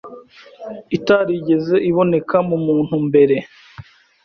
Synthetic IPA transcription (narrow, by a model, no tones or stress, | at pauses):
itaɾiɟe̞ze̞ʔiβo̞ne̞kamumuːn̥humbe̞ɾe̞